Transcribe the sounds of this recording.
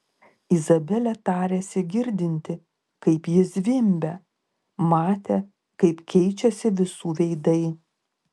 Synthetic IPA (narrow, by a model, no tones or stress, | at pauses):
ɪzɐbʲɛlʲɛt̪ɑːɾʲeːsʲɪɡʲɪɾʲd̪ʲɪnʲt̪ʲɪ | kɐɪpjɪsʋʲɪmʲbʲɛ | mɑːt̪ʲe | kɐɪpkʲɛɪt͡ʃʲɛsʲɪʋʲɪsuːʋʲɛɪd̪ɐɪ